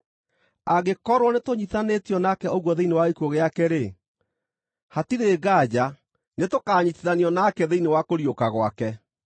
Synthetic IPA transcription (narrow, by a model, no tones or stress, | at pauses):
aɡekɔɾwɔnetoɲiθanetiɔnakɛɔɣwɔðeinewaikoɣeakɛɾe | hatiɾeːɡaːd͡ʑa | netokaːɲitiðaniɔnakɛðeinewakoɾjokaɣwakɛ